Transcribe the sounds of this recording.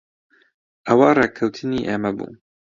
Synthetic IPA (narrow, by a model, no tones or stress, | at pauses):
ʔɐwareːkʰɐwt̪ʰɨniːʔeːmɐbṵː